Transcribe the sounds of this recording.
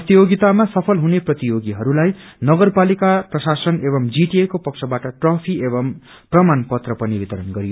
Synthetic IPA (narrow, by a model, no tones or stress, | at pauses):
prʌt̪ijoɡit̪amasʌpʰʌlɦuneprʌt̪ijoɡiɦʌɾulajnʌɡʌrpalikaprʌsasʌnebʌmd͡ziʈiekopʌk̚t͡sʰʌbaʈʌʈrʌpʰiebʌm | prʌmanpʌt̪rʌpʌnibit̪ʌɾʌnɡʌɾijo